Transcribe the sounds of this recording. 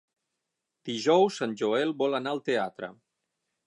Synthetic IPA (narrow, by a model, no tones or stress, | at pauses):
d̪̥iʒɔwsːanʲʒoɛlˠbɔlənaəlˠt̪eat̪ɾə̰